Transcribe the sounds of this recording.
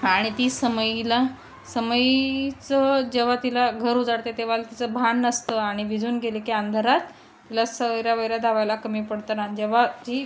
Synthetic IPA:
aɽ̃it̪iːsəməjila | səməjt͡səd͡ʑeʋ̤at̪ilaɡʱəɾud͡zaɽt̪et̪eʋ̤alt̪it͡səbʱanːəst̪əaɽ̃iʋid͡zuːnɡʱelekiand̪ʱəɾat̪ː | ilasəəjɾjaʋəjɾjad̪ʱaʋajlakəmiːpəɽt̪ənad͡ʑeʋ̤ad͡ʑiː

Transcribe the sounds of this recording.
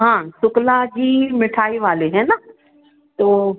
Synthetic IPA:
ɦãːsʊklad͡ʑiːmɪʈʰaːiʋaːleɦɛ̃ːna | t̪oː

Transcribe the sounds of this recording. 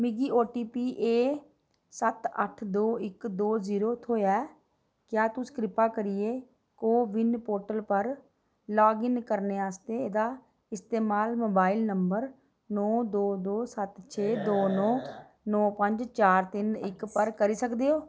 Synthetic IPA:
mɪɡiːoːʈiːpiːʔeː | sət̪ə̰ʈʰd̪oːɪkd̪oːziːɾoːt̪ʰoːjɛː | kjaːt̪ʊskɾɪpaːkəɾieː | koːʋɪnpoːɾʈəlpəɾ | lɔːɡɪŋkəɾneːaːst̪eːeːd̪aː | ɪst̪eːmaːlmoːbaːɪlnəmbəɾ | nɔːd̪oːd̪oːsət̪t͡ʃʰeːd̪oːnɔː | nɔːpəɲd͡ʒt͡ʃaːɾt̪ɪnɪkpəɾkəɾiːsəkd̪eːoː

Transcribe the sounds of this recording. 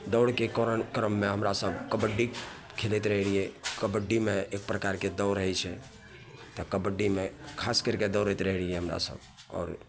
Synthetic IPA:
d̪ɔʊɽkekoɾənkɾəmːeɦəmɾasəbkəbəɖːi | kʰelɛt̪ɾəɦɽiɛkəbəɖːimeek̚pɾəkaɾked̪ɔʊɾəɦɛt͡ʃʰɛ | t̪ɔkəbəɖimekʰaskəɾked̪əʊɾəjt̪ɾəɦɽijɛɦəmɾa̰sə̰b | ɔ̰ːɾ

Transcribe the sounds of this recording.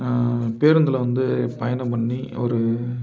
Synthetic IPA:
peːɾɯnd̪ɐlɐʋɐnd̪ɯpɐjɐnɐpɐɳːiɔɾɯ

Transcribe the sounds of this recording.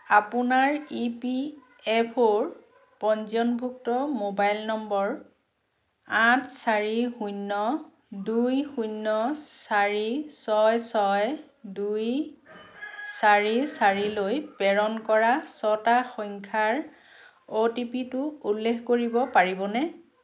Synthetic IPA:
apʊnaɹipi | ɛpʰoɹ | pɔnzjɔnbʱuk̚tɔmobajlnɔmbɔɹ | ãtʰsaɹixujnːɔ | dujxujnːɔsaɹisɔjsɔj | duj | saɹisaɹilojpɛɹɔnkɔɹasɔtaxɔŋkʰaɹ | otipitʊulːekʰkoɹibɔpaɹibɔnɛ

